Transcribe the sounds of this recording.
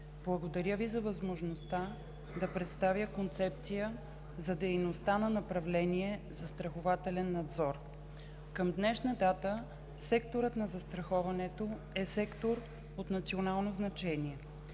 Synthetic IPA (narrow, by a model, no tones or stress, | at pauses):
b̥lˠɐɡod̪ɐɾʲjəvizɐvɐzmoʒnost̪a | d̪ɐpɾɛt̪st̪avjəkont̪sɛp̚t̪sijə | zɐd̪ɛjnost̪anɐnɐpɾɐvlɛniɛzɐst̪ɾɐxovat̪ɛlɛnːɐd̪zɔɾ | kəmd̪nɛʃnəd̪at̪ə | sɛkt̪oɾət̪nɐzɐst̪ɾɐxɔvɐnɛt̪o | ɛsɛkt̪oɾ | ot̪nɐt̪sionalˠnoznɐt͡ʃɛniɛ